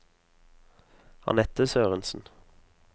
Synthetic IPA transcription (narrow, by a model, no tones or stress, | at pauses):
hɑ̰nɛt̪əsøːʁənsn̩